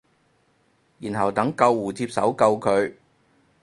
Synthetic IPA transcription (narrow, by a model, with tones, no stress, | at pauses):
jiː˨˩nɦɐ˨˩wt̪ɐ˨˥ŋkɐ˧wːuː˨˩t͡siː˧p̚sɐ˨˥wkɐ˧wkʰɵ˨˧ɥ